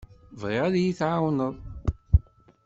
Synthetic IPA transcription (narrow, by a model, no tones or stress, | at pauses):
vʁɪʁæðjiθʕawnəðˤ